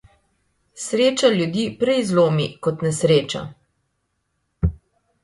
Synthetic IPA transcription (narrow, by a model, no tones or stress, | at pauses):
sɾeːt͡ʃaljud̪iːpɾɛjzloːmḭkɔt̪nɛsɾeːt͡ʃa̰